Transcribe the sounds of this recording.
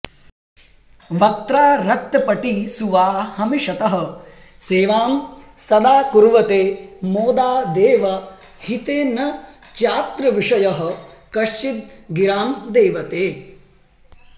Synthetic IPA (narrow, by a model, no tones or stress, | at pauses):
ʋɐt̪ɾaːɾɐk̚t̪ɐpɐʈisuʋaːhɐmiʃɐt̪ɐɦɐ̆ | seːʋaːmsɐd̪aːkuɾʋɐt̪eːmoːd̪aːd̪eːʋɐ | hit̪eːnɐ | t͡ʃaːt̪ɾɐʋiʂɐjɐɦɐ̆ | kɐʃt͡ʃit̪̚ɡiɾaːmd̪eːʋɐt̪eː